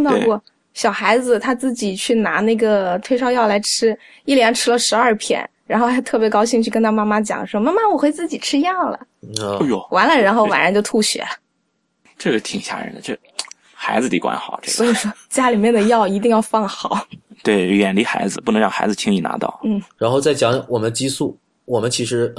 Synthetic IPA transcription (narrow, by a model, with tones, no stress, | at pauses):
t̪ɑ˥˧ʊkwɔ˥˩ | ɕjɑ˨˩ʊxa˧˥ɪd͡zɹ̩˧t̪ʰa˥t͡sɹ̩˥˩t͡ɕi˨˩t͡ɕʰy˥˩na˧˥na˥˩ɡə˩t̪ʰwe˥˧ʂɑ˥˧ʊjɑ˥˩ʊla˧˥ɪʈ͡ʂʰɻ̩˥ | i˥˩ljɛ˧˥nʈ͡ʂʰɻ̩˥lə˨ʂɻ̩˧˥ɐ˞˥˧pʰjɛ̰˥˩nɻa˧˥nxo˧xa˧˥ɪt̪ʰɤ˥˩pjɛ˧˥kɑ˥ʊɕi˥˧ŋt͡ɕʰy˥˩kə˥nt̪ʰa˥ma˥ma˥t͡ɕjɑ̰˨˩ŋʂwɔ˥ma˥ma˥wɔ˨˩xwe˥ɪt͡sɹ̩˥˩t͡ɕi˨˩ʈ͡ʂʰɻ̩˥jɑ˥˩ŋlə̰˩˧jo˨˩wa˧˥nlə˨ɻə˧˥nxo˥˩ʊwa̰˨˩nɻa˧˥t͡ɕjo˥˧ʊt̪ʰu˥˩ɕɥɛ̰˧˥lə˩ | ʈ͡ʂɤ˥˩ʂ̩˥t̪ʰi˨˩ŋɕja̰˥˩ɻə̰˧˥nd̪ə˧ʈ͡ʂɤ˥˩ | xa˧˥ɪd͡zɹ̩˧t̪i˧˩kwa̰˧˥nxɑ˨˩ʊʈ͡ʂɤ̰˥˧swɔ˧˥i˨˩ʂwɔ˥t͡ɕja˥li˨˩mjɛ˥˩nd̪ə˩jɑ˥˩ʊi˧˥t̪̬i˥˧ŋjɑ˥˧ʊfɑ˥˩ŋxɑ˨˩˦ʊt̪we˥˩ɪɥɛ˨˩nli˧˥xa˧˥ɪd͡zɹ̩˧pu˥˩nɤ˧˥ɻɑ˥˩ŋxa˧˥d͡zɹ̩˧t͡ɕʰi˥ŋi˥˩na̰˧˥t̪ɑ̰˥˩ʊn̩˥˩ɻa˧˥nxo˥˧ʊt͡sa˥˩ɪt͡ɕjɑ˧˥ŋwɔ˨˩mə˦nt͡ɕi˥su˥˩ | wɔ˨˩mə˦nt͡ɕʰi˧˥ʂɻ̩˧˥